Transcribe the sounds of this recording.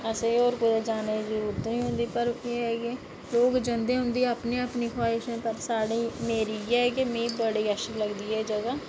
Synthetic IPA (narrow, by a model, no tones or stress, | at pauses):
əseoːɾkod̪ed͡ʒaːneːd͡ʒəɾuːɾt̪õːĩːɦʊ̃nd̪iːpəɾeːɛːɡe | loːɡd͡ʒənd̪eːɦʊ̃nd̪iːəpneːəpniːxʰaːɪʃẽːpəɾsaːɽiːmeːɾiːjɛːkemẽːbəɽiːəʃəkləɡd̪iːɛːd͡ʒəɡaː